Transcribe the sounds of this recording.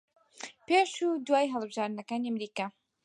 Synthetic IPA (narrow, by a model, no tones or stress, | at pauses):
peːʃuːd̪waːjɦəlˠbɨʒaːɾd̪nɐkaːniamɾiːkaː